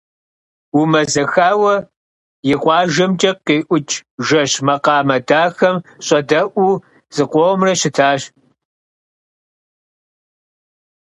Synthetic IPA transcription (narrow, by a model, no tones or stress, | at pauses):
umɐzɐxaːwɐ | jɪqʷʼɑːʒɐmt͡ʃʼɐiːʔʷʊt͡ʃʼʒɐɕmɐqɑːmɐdaːxɐmɕʼɐdɐʔʷuː | z̥ɨqʷɔʁmrɐɕɪtʰaːɕ